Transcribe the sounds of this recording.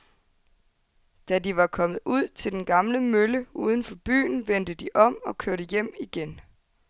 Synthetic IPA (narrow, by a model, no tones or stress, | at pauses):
d̥ædiʋɑ̈kʰɒ̽mð̩ˠuð̞̰ˠt͡sʰe̝ld̥enɡ̥ɑ̈mləmøləuːð̞ˠn̩fɒ̽b̥y̰ːn̩ʋen̰d̥əd̥iʔɒ̽m̰ɒ̽kʰøɐɾəjem̰iɡ̥en